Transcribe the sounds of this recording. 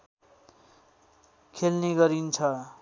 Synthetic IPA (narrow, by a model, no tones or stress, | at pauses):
kʰelneɡʌɾint͡sʰʌ